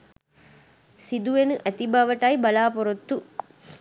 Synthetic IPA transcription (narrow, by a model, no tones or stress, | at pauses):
sid̪uʋenɨʔɐt̪ibaʋɐʈajbɐlaːpoɾot̪ːu